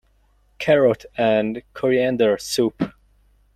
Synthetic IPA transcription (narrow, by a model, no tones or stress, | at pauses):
kʰɛɹɔtʰæ̃nkʰɔɹiæ̃ndə˞sup